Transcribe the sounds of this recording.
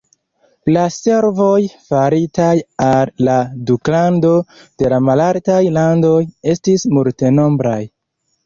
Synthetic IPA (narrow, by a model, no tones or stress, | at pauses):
lase̞ɾvo̞jfaɾitajalːaduklando̞d̥e̞lamalaltajlando̞je̞stismulte̞no̞mbɾaj